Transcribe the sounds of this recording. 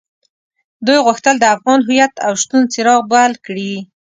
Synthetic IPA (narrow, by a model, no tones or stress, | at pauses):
d̪ujɣʊxt̪əld̪əafɣɑnɦʊjat̪awʃt̪unt͡sɪɾɑɣbalkɽi